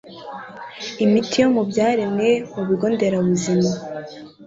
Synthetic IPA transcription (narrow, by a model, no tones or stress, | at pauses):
imitʰijo̞mubɟaːɾe̞mŋe̞muβiɡo̞ːnde̞ɾaβuzima